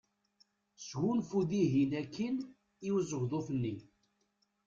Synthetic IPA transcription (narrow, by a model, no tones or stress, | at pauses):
sɣunfuðiɦinækːən | iwzəɣðoθənːi